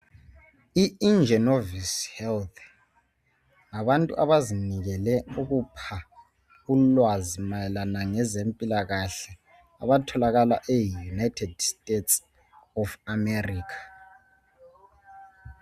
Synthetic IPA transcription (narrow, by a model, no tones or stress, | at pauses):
iind͡ʒʱɛnovishɛlt̪ʰ | ŋaβantʼṵʔaβaziniɣɛlɛuɣupʰa | ɣulwazimajɛlanaŋɛzempʼilaɣaɬɛ | aβatʰɔlaɣala̰ʔejunajtʰɛdstʼets | ɔfamɛriːkʰḁ